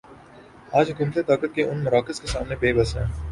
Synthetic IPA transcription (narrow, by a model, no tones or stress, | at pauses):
aːd͡ʒkɪmt̪et̪aːkət̪̚keʔʊnmʊɾaːkəskesaːmnebeːbəsɦɛ̰̃ː